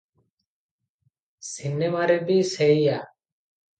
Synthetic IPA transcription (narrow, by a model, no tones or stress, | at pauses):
sineːmaːɾeːbiːseijaː